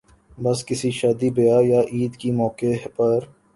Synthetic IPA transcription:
bɐskɪsiʃaːd̪ibɐjajaʔiːd̪kimɔːkepɐɾ

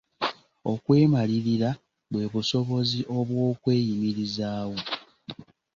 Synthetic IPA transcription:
okwe̞ːmaliɾiɾa | βwe̞βuso̞βo̞ziʔo̞βwo̞ːkwe̞ːjimiɾizaːwo̞

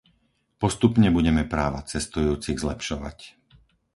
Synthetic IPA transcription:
pɔst̪upɲɛbuɟɛmɛpɾaːʋa̰t͡sɛst̪ujuːt͡siɣzlɛpʃɔʋa̰c

